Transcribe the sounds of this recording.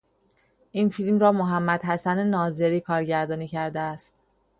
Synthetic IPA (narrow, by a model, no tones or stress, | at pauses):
ʔiːnfilmɾɒːmoɦæmːæd̪̥ɦæsænenɒːzeɾiːkʰɒːɾɟæɾd̪ɒːniːcʰæɾd̪eæst̪